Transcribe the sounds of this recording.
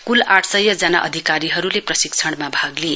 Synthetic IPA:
kulaʈʰsʌjːʌd͡zʌnaʔʌ̰d̪ʱikaɾiɦʌɾuleprʌsikt͡sʰʌɽmabʱaɡle

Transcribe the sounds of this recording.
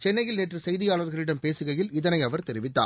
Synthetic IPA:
t͡ʃɛnːɐjɪlneːʈrɯsɛjðɪjaːɭɐɾɣɐɭɪɽɐmpeːsɯɣɐjɪlɪðɐnɐɪɐʋɐɾt̪ɛɾɪʋɪt̪ːa̰ː

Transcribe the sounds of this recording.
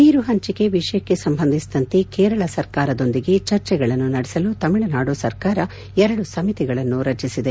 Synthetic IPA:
niːɾuɦɐɲt͡ʃiɡe̞ʋiʂɐjɐkːe̞sɐmbʱɐnd̪ʱisid̪ɐnt̪e̞keːɾɐɭɐsɐɾkaːɾɐd̪o̞nd̪iɡe̞t͡ʃɐɾt͡ʃɛɡɐɭɐnːunɐɽɛsɐlut̪ɐmiɭɐnaːɽusɐɾkaːɾɐ | ɛɾɐɽusɐmit̪iɡɐɭɐnːuɾɐt͡ʃisid̪e̞

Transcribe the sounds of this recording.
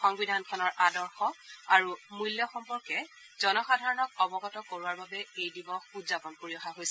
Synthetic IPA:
xɔŋbidʱankʰɔnɔɹʔadɔɹxɔaɹumujljɔxɔmpɔɹkɛ | zɔnɔxadʱaɹɔnɔk̚ɔbɔɡɔtɔkoɹuwaɹbabɛejdibɔxudzapɔnpoɹiɔxaɦojsɛ

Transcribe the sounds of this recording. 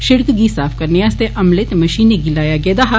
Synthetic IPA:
ʃɪɽkɡisaːfʰkɐɾneɐst̪eʔɐmlet̪emɐʃiːneɡiɪlaːjaɡɛːd̪aɦa

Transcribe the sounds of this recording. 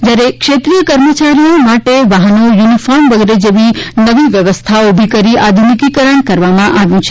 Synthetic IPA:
d͡ʒjaɾekʃet̪ɾijəkəɾmət͡ʃaɾijomaʈeʋaɦənojunifɔɾmʋəɡeɾed͡ʒeʋinəʋiʋjəʋəst̪ʰaobʱikəɾiʔad̪ʱunikikəɾəɳkəɾʋamãʔaʋjũt͡ʃʰe̥

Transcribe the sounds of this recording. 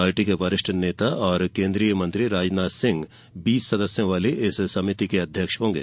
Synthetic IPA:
aːɾʈikeʋɐɾɪʃʈʰneːt̪aʔɔːɾkẽːnd̪ɾijəmɐ̃nt̪ɾiɾaːd͡ʒnaːsɪ̃ŋɡ | biːsːɐd̪əsjõʋaːliʔɪssɐmɪt̪ikeɐd̪ʱjəkʃɦõːŋɡḛː

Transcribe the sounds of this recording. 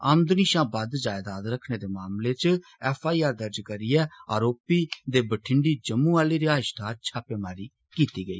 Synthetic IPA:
aːmd̪ʊniːʃãːbəd̪d͡ʒaːjd̪aːd̪ɾəkʰneːd̪eːmaːmleːt͡ʃɛːfʰaːiːaːɾd̪əɾd͡ʒkəɾiːɛːa̰ːɾoːpiːd̪eːbəʈʰɪɳɖiːd͡ʒəmːũːaːliːɾɪaːʃt̪ʰaːt͡ʃʰaːpeːmaːɾiː | kiːt̪iːɡəḭː

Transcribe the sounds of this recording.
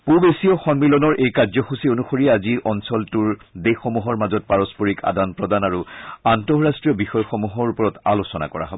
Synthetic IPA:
pubesiɔxɔnmilɔnɔɹʔejkaɹzɔxusionuxoɹiɛaziʔɔnsɔltuɹdexomuɦɔɹmazɔt̚paɹɔspoɹika̰danpɹɔdanaɹuantɔɹastɹijɔbixɔjɔxɔmuɦɔɹupɔɹɔta̰losɔna̰kɔɹa̰ɦɔbɔ

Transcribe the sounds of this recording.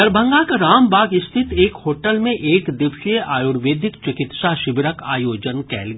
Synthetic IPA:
ɐɾbʱə̃ŋɡakaɾaːmbʱaːɡɪst̪ʰɪt̪eːkhoːʈəlmẽʔeːkd̪ɪʋʃijəʔaːjuɾʋeːd̪ʱɪkt͡ʃɪkɪt̪ʃaʃɪbɪɾəka̰ːjoːd͡ʒənkɛ̰ːlɡ

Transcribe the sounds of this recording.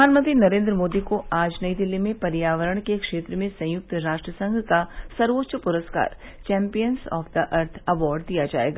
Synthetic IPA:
aːnmə̃nt̪ɾinɐɾẽːnd̪ɾəmoːd̪ikoʔaːd͡ʒnɐid̪ɪlːimẽpɐɾjaːʋəɾəɽ̃kekʃeːt̪ɾəmẽsɐ̃jʊk̚t̪ɾaːʃʈɾəsə̃ŋɡʱkasɐɾʋotːʃəpʊɾəska̰ːɾt͡ʃɛ̃ːmpijənsɔ̰ːfd̪əʔɐɾt̪ʰɐʋɔːɾɖ̚d̪ijad͡ʒaːḛːɡa

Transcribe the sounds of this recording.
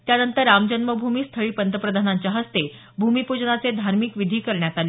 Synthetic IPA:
t̪janənt̪əɾːamd͡ʑənməbʱumiːst̪ʰəɭiːpənt̪əpɾəd̪ʱanaɲt͡ɕjaɦəst̪e | bʱumipud͡ʑnat͡sed̪ʱaɾmiːkʋid̪ʱiːkəɾɳjat̪ale

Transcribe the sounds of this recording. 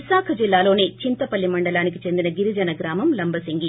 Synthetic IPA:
isaːkʰɐd͡ʒilːaːlo̞ːneːt͡ʃint̪ɐpɐlːimɐɳɖɐlaːnikit͡ʃe̞nd̪inɐɡiɾid͡ʒɐnɐɡɾaːmɐmlɐmbɐsiŋɡi

